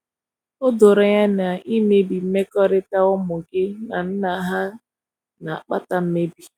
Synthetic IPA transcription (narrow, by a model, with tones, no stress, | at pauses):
ʊ˦dʊ˨ɾa˨ja˦na˨i˦me˦bi˨m̩˦me˦kɔ˦ɾɪ˦ta˦ʊ˦mʊ˨ɡɪ˦na˨n̩˦na˨ɦa˦ | na˨a˨k͡pa˦ta˦m̩˦me˦bi˨